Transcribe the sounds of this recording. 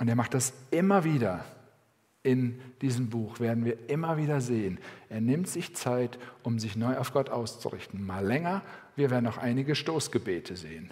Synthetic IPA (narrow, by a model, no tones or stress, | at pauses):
ʔʊnteːɐmaχtd̥asʔɪmɐviːdɐ | ʔɪnd̥iːzəmbuːxv̥eːɐdn̩viːɐʔɪmɐviːdɐzeːənʔeːɐnɪmtz̥ɪçt͡saɪtʔʊmzɪçnɔʏʔaʊfɡ̥ɔtʔaʊst͡sṵʁɪ̰çtn̩maːlɛŋɐviːɐveːɐdn̩aʊxʔaɪnɪɡəʃtoːsɡ̥əbeːtʰəzḛːən